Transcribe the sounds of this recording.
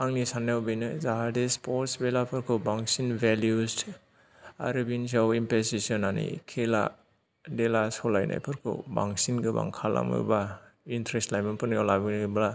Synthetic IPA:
aŋnisanawbijnɯzaɦadespʰoɾtsbelapʰɯɾkʰɯbaŋsinbeljus | a̰ɾibins̬awimpesisɔnanḭkʰela̰ | delasɔlajna̰jpʰɯɾkʰɯ̰ba̰ŋsinɡɯba̰ŋkʰalʔa̰mɯ̰ɾbaintɾestlajmɯnpʰɯnjalabinibla

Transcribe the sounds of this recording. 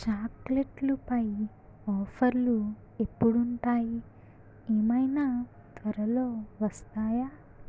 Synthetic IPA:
t͡ʃaːkleʈlupɐj | ɔːpʰɐɾlu | e̞pːuɽuɳʈaːji | eːmɐjnaː | t̪ʋɐɾɐlo̞ːʋɐst̪aːjaː

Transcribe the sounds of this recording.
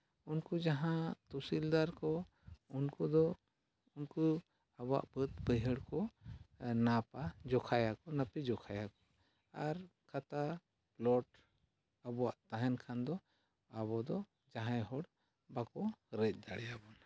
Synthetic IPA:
unkud͡ʒaɦãt̪usild̪aɾkɔ | unkud̪ɔ | unku | abɔwa̰ʔbət̪̚bəjɦəɽkɔ | napad͡ʒɔkʰajakɔnəpid͡ʒɔkʰajakɔ̥ | aɾkʰat̪a | plɔʈ | əbɔwaʔt̪aɦɛnkʰand̪ɔ | aβɔd̪ɔ | d͡ʒaɦãjɦɔɽ | bakɔɾɛc̚ˀd̪aɽɛjabɔn

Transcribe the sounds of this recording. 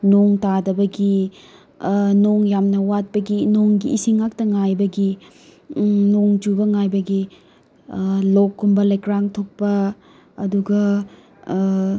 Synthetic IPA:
noŋtadɐbɐɡi | noŋjamnɐwat̚pɐɡinoŋɡiʔisiŋːak̚tɐŋajbɐɡi | noŋd͡ʒubɐŋajbɐɡi | lokːumbɐlɐjkɾaŋtʰok̚pɐː | duɡɐ

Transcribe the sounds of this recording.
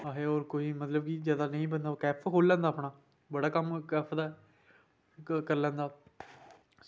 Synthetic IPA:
aɦeːoːɾkoːiːmət̪ləbkizjaːd̪aːnəĩːbənd̪aːoːkɛːpʰkʰoːlːɛ̃ːnd̪aːpɽaː | bəɽaːkəmkɛːpʰd̪aː | kəɾlɛ̃ːnd̪aː

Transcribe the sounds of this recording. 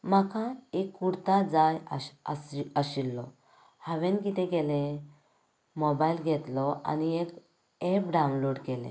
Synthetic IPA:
makãekːuɽt̪ad͡zajasaɕilːɔ | haʋẽnkit̪ɛ̃ɡɛlẽ | mɔbailɡʱɛt̪lɔa̰niek | ɛpɖawnloɖkɛlḛ̃

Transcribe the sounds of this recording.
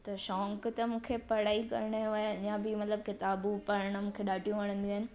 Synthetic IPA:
t̪ɐʃɔ̃ːŋkt̪ɐmũːkʰepɐɽ̤aːikɐ̰ɾɳ̃eaːjɪɲãbɪmɐt̪ləb̚kɪt̪aːbupɐɾəɽ̃̆mũːkʰeɗaːʈʰijũʋɐɽ̃ə̃nd̪iaːɦɪnɪ̆

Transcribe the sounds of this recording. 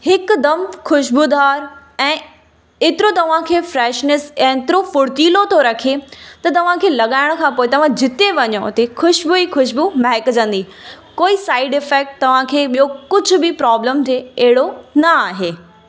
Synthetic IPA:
hɪkd̪ɐmxʊʃbud̪aːɾ | ɛ̃ː | ɪt̪ɪɾot̪ɐʋ̤ãkʰeːfɾɛːʃnɪsɛ̃ːɪt̪ɪɾofʊɽt̪iːlot̪ʰoɾɐkʰet̪ɐt̪ɐʋ̤ãkʰeːlɐɠaːɪɽ̃̆kʰãːpoːet̪ɐʋ̤ãd͡ʑɪt̪eʋɐɲoʊt̪exʊʃbuixʊʃbumɐɦɪkd͡ʑə̃nd̪i | koːisaːɪɖɪfɛːk̚ʈ̚t̪ɐʋ̤ãkʰeːɓijokʊd͡ʑʱʊ̆bɪpɾaːbləmt̪ʰeɐɦɪɽonɐaːɦeː

